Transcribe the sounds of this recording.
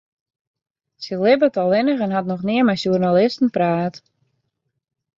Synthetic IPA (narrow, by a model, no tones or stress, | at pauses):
səlɪbətɔlˠɪnəxɛnɦatnɔxnɪəmɛjsjurnalɪstn̩praːt